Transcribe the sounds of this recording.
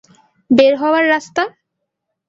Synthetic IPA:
beɾɦɔwaɾːast̪a

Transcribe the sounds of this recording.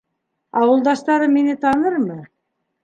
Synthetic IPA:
ɑwɤ̆lˠd̪ɑʃt̪ɑɾɤmːinɘt̪ɑnɤɾmɤ

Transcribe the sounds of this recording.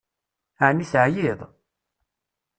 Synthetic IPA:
ʕnːisʕjiðˤ

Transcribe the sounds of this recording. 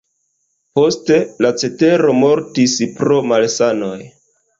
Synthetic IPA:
po̞ste̞lat͡se̞te̞ɾo̞mo̞ɾtispɾo̞malsano̞j

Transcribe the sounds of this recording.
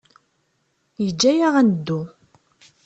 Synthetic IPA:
jəd͡ʒːæjaʁænəd̪ːu

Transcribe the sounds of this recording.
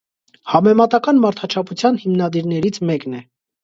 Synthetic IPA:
hɑmɛmɑt̪ɑkɑnmɑɾt̪ʰɑt͡ʃʰɑpʰut͡sʰjɑnhimnɑd̪iɾnɛɾit͡sʰmɛknɛ

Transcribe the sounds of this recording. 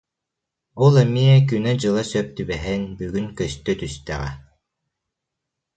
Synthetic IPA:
ɔlˠɛmiɛk̬ynɛd͡ʑɯlˠasœp̚t̪ybɛɦɛnbyɡynkœst̪œt̪yst̪ɛ̰ʁɛ̰

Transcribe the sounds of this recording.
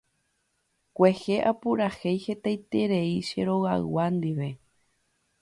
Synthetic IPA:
kʷehe̞ʔapuɾaxejhe̞t̪ajt̪e̞ɾe̞iʃe̞̰ɾo̞ɣa̰wand̪iʋe̞

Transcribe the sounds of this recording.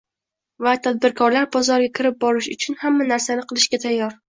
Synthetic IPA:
vat̪ʰad̪̚bɪɾkʰɒɾlaɾbɒzɒɾɡʲakʲʰɪɾɪp̚bɒɾɪʃʊt͡ʃʰʊnhamːanaɾsanɪqʰɨlˠɪʃɡʲat̪ʰajːɒɾ

